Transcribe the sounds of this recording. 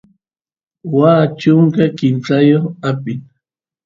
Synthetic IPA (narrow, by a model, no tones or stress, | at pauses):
waːt͡ʃʊŋkakɪnt͡sajoχapɪn